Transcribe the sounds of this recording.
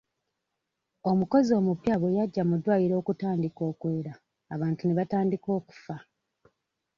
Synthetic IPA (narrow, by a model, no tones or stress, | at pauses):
o̞muko̞zio̞ːmupjaβojaɟːamudwaːjiɾo̞ːkutaːndiko̞ːkwe̞ːɾaː | βaːntuneβataːndiko̞ːku̥fa